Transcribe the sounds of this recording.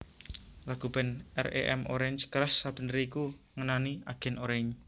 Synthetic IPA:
laɡ̥ub̥ɛ̤nɛ̰rḛʔɛ̰mʔo̰ɾɛɲd͡ʒkəɾasːab̥ənɾiːku | ŋənaniaɡ̥ɛ̤noɾɛɲ

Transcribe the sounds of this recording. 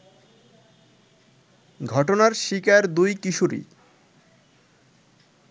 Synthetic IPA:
ɡʱɔʈonaɾʃikaɾd̪ujkiʃuɾḭ

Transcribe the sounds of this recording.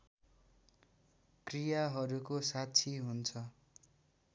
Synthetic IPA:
krijaɦʌɾukosatt͡sʰiɦunt͡sʰʌ

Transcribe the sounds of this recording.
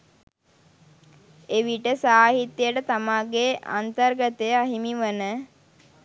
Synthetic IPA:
eʋiʈəsaːɦit̪jəʈət̪amaːɡea̰nt̪ərɡət̪ejəaɦimiʋənə

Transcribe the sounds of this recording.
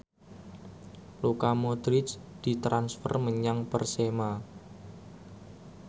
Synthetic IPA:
lukamod̪ɾɪt͡ʃd̪̥i̤t̪ɾansfə̰rməɲaŋpərsema

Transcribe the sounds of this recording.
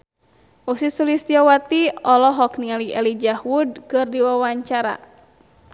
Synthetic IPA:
ʔusisulist̪iɔwat̪iɔlɔɦɔkniŋaliʔɛlid͡ʒahwud̚kɨrdiwawaɲt͡ʃaɾa̰

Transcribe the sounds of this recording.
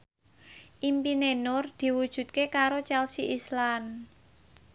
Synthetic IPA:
ʔimpinenʊrd̪̥i̤wud̥ʒ̥ṳt̪̚kekaɾot͡ʃɛlsiʔislan

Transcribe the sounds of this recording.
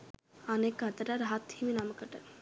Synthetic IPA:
anekːat̪aɾaɾɦat̪ʰːiminaməkaʈaɾ

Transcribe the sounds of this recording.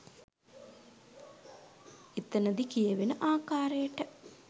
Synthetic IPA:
it̪ːɐnəd̪ikijəʋenəʔaːkaːɾejəʈə

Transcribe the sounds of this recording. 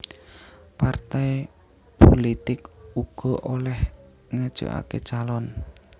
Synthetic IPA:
part̪ɛj | polit̪ɪkuɡ̥ɔ̤ʔolɛh | ŋəd̥ʒ̥o̰ʔa̰kḛt͡ʃalɔn

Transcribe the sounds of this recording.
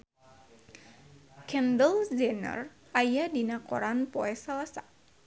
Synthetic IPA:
kɛndəld͡ʒɛnə̰r | ajadinakɔ̰ɾanpɔɛsalasa

